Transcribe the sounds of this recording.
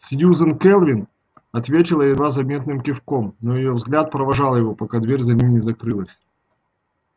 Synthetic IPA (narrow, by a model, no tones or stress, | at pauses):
sjuzənkɛlˠvʲɪn | ɐt̪vʲetʲɪlˠəjɪd̪vazɐmʲe̞t̪nɨmkʲɪfkomnojɪjovzɡlʲat̪̚pɾəvɐʐɑlˠjɪvo̞pɐkad̪vʲeɾʲzɐnʲimnʲɪzɐkɾɨlˠəsʲ